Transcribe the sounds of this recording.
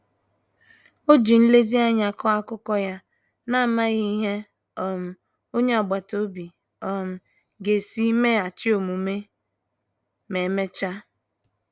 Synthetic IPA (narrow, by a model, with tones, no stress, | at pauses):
o˦d͡ʒi˨n̩˦le˦zi˦a˦ɲa˨kɔ˦a˦kʊ˦kɔ˦ja˦ | na˦˨ma˦ɣi˦ɦe˦ | ɔ˨m̩˨ | o˦ɲe˦ɔ˨ɡ͡ba˨to˦bi˨ | ɔ˨m̩˨ | ɡe˨si˦me˦a˨t͡ʃɪ˦o˨mu˨me˦ | me˨˦me˦t͡ʃa˦